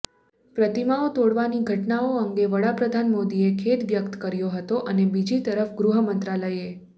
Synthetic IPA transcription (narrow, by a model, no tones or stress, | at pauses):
pɾət̪imaot̪oɽʋaniɡʱəʈnaoəŋɡeʋəɽapɾəd̪ʱanmod̪iekʰet̪ʋjəkt̪kəɾjoɦət̪oʔənebid͡ʒit̪əɾəfɡɾuɦəmənt̪ɾaləje